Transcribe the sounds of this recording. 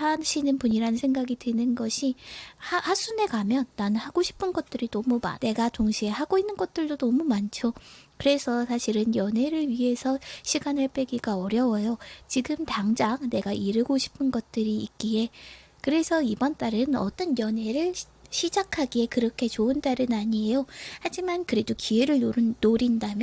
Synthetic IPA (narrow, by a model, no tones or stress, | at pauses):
anɕʰinɯnpuɲiɾanɯnsʰeŋɡaɡidwɯnɯnɡʌɕʰihahas͈une̞kamjʌnːanɯnhaɡoɕʰi̥pʰɯnɡʌt̚t͈ɯɾinʌmuma̰ne̞ɡatoŋɕʰiehaɡoinːɯnɡʌt̚t͈ɯɭdonʌmumant͡ɕʰokɯɾe̞sʰʌsʰaɕʰiɾɯnjʌnɦe̞ɾɯɭɥiɦe̞sʰʌɕʰiɡanaɭp͈ʰe̞ɡiɡaʌɾjʌwʌjot͡ɕiɡɯmtaŋd͡ʑaŋne̞ɡaʔiɾɯɡoɕʰi̥pʰɯnɡʌt̚t͈ɯɾiːk̚k͈ie̞kɯɾe̞sʰʌibʌnt͈aɾɯnʌt͈ʌnjʌnɦe̞ɾɯɭ | ɕʰid͡ʑakʰaɡie̞kɯɾʌkʰe̞t͡ɕoɯnt͈aɾɯnaɲie̞johad͡ʑimankɯɾe̞dokie̞ɾɯɭoːoɾindamjʌ